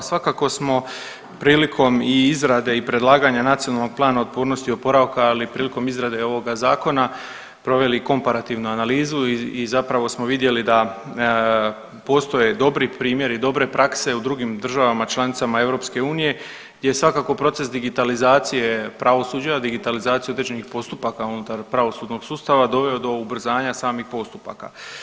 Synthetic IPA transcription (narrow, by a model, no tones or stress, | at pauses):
sʋakako̞smo̞ | pɾiːlikʰo̞miizɾad̪e̞ipɾe̞d̪lˠaːɡaɲanat̪sionalˠno̞ɡ̚plˠaːnaot̪̚poːɾno̞st̪iopo̞ɾaʋkaːlipɾiːliko̞mizɾad̪e̞o̞ʋo̞ɡazaːko̞na | pɾo̞ʋe̞liko̞mpaɾat̪iʋnuanaliːzuiizapɾaʋo̞smo̞ʋid̪je̞lid̪a | po̞ːst̪o̞je̞d̪o̞bɾipɾiːmje̞ɾid̪o̞bɾe̞pɾʔakse̞ud̪ɾuɡimd̪r̩ʒaʋamat͡ʃlˠanit̪samae̞ʋɾo̞pske̞uːnije̞ | ɡd̪je̞jesʋakako̞pɾo̞t̪se̞sd̪iɡit̪alizaːt̪sije̞pɾaʋo̞suːd͡ʑad̪iɡit̪alizaːt̪ijo̞d̪ɾed͡ʑe̞nixpo̞st̪upakaunut̪aɾpɾaʋo̞suːd̪no̞ɡ̥suːst̪aʋad̪o̞ʋe̞o̞d̪o̞ubr̩zaːɲasaːmixpo̞st̪upa̰ka̰